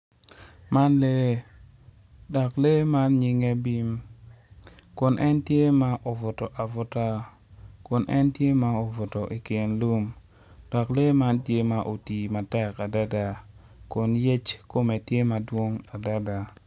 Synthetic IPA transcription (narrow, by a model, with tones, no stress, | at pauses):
ma˦nle˦ | dɔ˨kle˦ma˦nɲi˦ŋɛ˦bi˦m | kʊ˨nʔɛ˦ntje˦ma˦ʔo˨vʊ˨tɔ˨ʔa˨vʊ˦ta˦ | kʊ˨nʔɛ˦ntje˦ma˦o˨vʊ˨tɔ˨ʔi˨kɪ˨nlu˦m | d̥ɔ˨kle˦ma˦ntje˦ma˨ʔo˨ti˨ma˨tɛ˦ka˨da˦da˨ | kʊ˨njɛ˦t͡ʃko˦me˨tje˦ma˨dwo˦ŋa˨da˦da˨